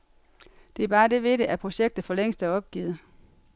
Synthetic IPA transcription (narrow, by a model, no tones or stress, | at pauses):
d̥e̝æɐb̥ɑ̈ːd̥e̝ʋe̝ɾ̥əʔæpʰʁo̝ɕeɡ̥̚d̥ð̩ˠfɒ̽leŋ̰sd̥æɒ̽b̥̚ɡ̥ḭːð̩ˠ